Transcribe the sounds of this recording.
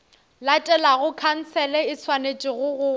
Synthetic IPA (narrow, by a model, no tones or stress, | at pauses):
latʼɛlaɣʊkʰan̩t͡sʰɛlɛɪt͡sʰwanet͡ʃʼɪɣʊɣʊ